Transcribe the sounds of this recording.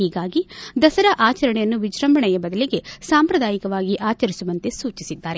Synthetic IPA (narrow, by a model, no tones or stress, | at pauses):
ɦiːɡaːɡid̪ɐsɐɾɐʔaːt͡ʃɐɾɐɳɛjɐnːuʋid͡ʒɾɐmbʱɐɳɛjɐbɐd̪ɐliɡe̞saːmpɾɐd̪aːjikɐʋaːɡiʔaːt͡ʃɐɾisuʋɐnt̪e̞suːt͡ʃisid̪ːaːɾe̞